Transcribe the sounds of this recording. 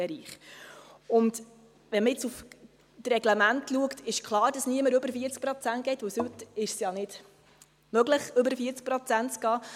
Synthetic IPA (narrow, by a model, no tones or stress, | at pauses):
ɛɾiːχ | ʊnd | ʋɛnməjɛt͡suf | trɛɡ̥lɛmæntluəktɪʃkχlˠɑːɾd̥ɑsniəməɾɵbəɾfiəɾt͡sk̚pɾot͡sænt̚ɡ̥ɛɪtvʋɵwshʏt̪ɪʃsjɑnɪd̥ | mœɡləχɵbəɾfiəɾt͡sk̚pɾot͡sæntt͡sɡ̥ɑː